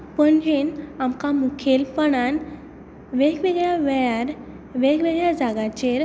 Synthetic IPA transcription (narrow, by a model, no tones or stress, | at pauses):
pəɳd͡ʑenamkamukʰelpəɽan | ʋeɡʋeɡɭjaʋɛaɾ | ʋeɡʋeɡɭjad͡zaɡat͡ɕeɾ